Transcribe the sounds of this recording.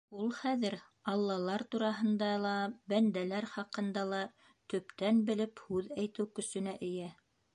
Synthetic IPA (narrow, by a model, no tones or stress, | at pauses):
ulˠχæðɘɾ | ɑlˠːɑlˠɑɾt̪uɾɑɦɤ̆nd̪ɑlˠɑbænd̪ælæɾχɑqɤ̆nd̪ɑlˠɑ | t̪ɵ̆pt̪ænbɘ̆lɘphʉðæjt̪ɘwkɵ̆sɵ̆næʔɘ̆jæ